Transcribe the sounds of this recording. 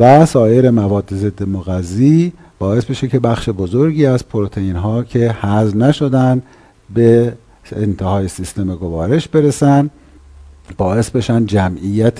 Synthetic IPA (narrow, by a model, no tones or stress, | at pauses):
væsɒːje̞ɾe̞mævɒːd̪ːeze̞d̪ːemoɣæzːiː | b̥ɒːe̞sbeʃecʰe̞bæxʃebozoɾɟiːæzpʰoɾot̪ʰeinɦɒːcʰe̞hæznæʃo̞d̪ænd̪ | beː | nt̪ʰehɒːjesist̪e̞meɡovɒːɾe̞ʃbe̞ɾesæn | bɒːe̞sbe̞ʃænd̪d͡ʒæmʔijæt̪ʰ